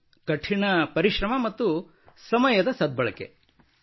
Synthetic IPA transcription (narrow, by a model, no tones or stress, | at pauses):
kɐʈʰːiɳɐpɐɾiʃɾɐmɐmɐt̪ːu | sɐmɐjɐd̪ɐsɐd̪̚bɐɭɐ̰kḛ